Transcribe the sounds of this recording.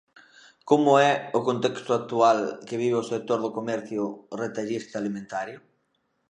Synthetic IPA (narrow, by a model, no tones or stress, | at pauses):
komʊɛʊkont̪ɛkst̪ʊak̚t̪ualkeβ̞iβeosek̚t̪oɾðokomɛɾθjʊret̪aʎist̪alimẽnt̪aɾjʊ